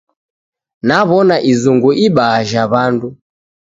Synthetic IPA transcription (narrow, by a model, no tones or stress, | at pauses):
naβɔnaʔizuŋɡuʔiɓaːʒaβandu